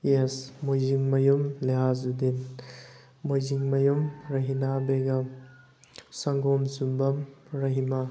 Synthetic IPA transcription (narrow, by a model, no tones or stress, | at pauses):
jesmojziŋmɐjumleɦaz̬udin | mojziŋmɐjumɾɐɦinabeɡɐ | sɐŋɡomsumbɐmɾɐɦima